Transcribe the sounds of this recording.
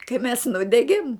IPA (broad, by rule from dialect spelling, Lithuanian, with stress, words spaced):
kɐɪ mʲɛs ˈnʊdʲɛɡʲeːm